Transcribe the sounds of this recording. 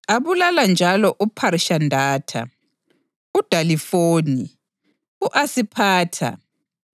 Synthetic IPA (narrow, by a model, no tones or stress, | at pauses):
aβulaland͡ʒʱalɔʔupʰaɾiʃandʱaːtʰa̰ | ud̥ʱalifoːni | uʔasipʰaːtʰa̰